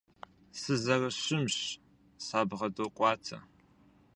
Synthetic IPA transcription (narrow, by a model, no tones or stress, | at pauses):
sɨzɐrɐɕɪmɕ | saːbʁɐdoːqʷʼɑːtʰɐ̰